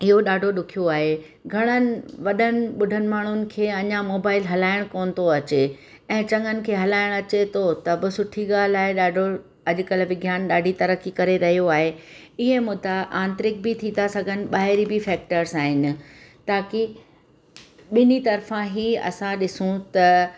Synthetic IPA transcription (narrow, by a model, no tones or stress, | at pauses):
ɪɦoɗaːɖʱoɗʊkʰijoaːɦe | ɡʱɐɽ̃ənɪ̆ʋɐɗənɪ̆ɓʊɖʱənɪ̆maːɳ̤ʊnɪ̆kʰeːɐɲamoːbaːɪlɦɐlaːɪɽ̃koːnɪ̆t̪oɐt͡ɕe | ɛ̃ːt͡ɕɐ̃ŋɡənɪ̆kʰeːɦɐlaːɪɽ̃ɐt͡ɕet̪ʰot̪ɐbɪsʊʈʰiɡaːlaːɪɗaːɖʱo | ɐʄʊ̆kəlʋɪɡʱjaːnɗaːɖʱit̪ɐɾəkikɐɾeɾɐɦijoaːɦe | ɪɦemʊd̪aʔãːnt̪ɾɪk̚bɪt̪ʰĩnasɐɡʱənɪ̆ɓaːɦɪɾibɪfɛːk̚ʈəɾzaːɦɪnɪ̆t̪aːki | ɓɪnit̪ɐɾfãɦiːɐ̰sãɗɪsũt̪ɐ